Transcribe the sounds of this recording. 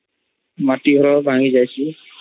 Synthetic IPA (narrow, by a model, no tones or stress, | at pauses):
maʈiɡʱɔɾɔbʱaŋizajsi